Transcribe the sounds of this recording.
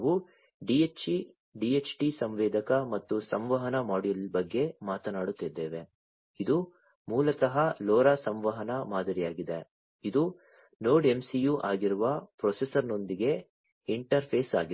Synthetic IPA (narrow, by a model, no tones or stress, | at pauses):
ɦu | ɖiet͡ʃi | ɖiet͡ʃʈisɐmʋɛːd̪ʱɐkɐmɐt̪ːusɐmʋɐɦɐnɐmaːɽilbɐɡːe̞maːt̪ɐnaːɽut̪ːid̪ːeːʋe̞ | id̪u | muːlɐsɐɦɐlɔːɾɐsɐmʋɐɦɐnɐmaːd̪ɐɾijaːɡid̪e | id̪u | noːɖe̞msijuʔaːɡiɾuʋɐpɾɔːsesɐɾno̞nd̪iɡe̞ | iɳʈɐɾpʰeːsaːɡi